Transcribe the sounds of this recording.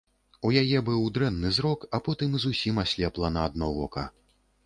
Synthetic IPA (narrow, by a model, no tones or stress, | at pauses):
ujajɛbɨwd̪ɾɛnːɨzɾɔkapɔt̪ɨmzusʲimasʲlʲɛplˠɐnɐad̪nɔvɔkɐ̰